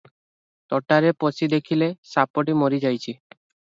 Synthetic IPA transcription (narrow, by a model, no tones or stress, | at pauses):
t̪ɔʈaɾeposid̪ekʰilesapoʈimoɾid͡ʒajt͡ʃʰi